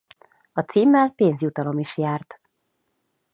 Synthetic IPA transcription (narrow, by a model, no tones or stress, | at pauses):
ɒt̪siːmːɛlpeːnzjut̪ɒlo̞miʃjaːrt̪